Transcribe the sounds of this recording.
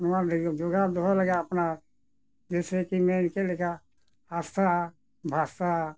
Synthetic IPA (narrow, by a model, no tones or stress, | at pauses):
nwãɾɡd͡ʒoɡad̪oaləɡaəpna | d͡ʒeːsekimɛ̃ɪnkelɪkʰa | aːst̪a | bʱaːst̪a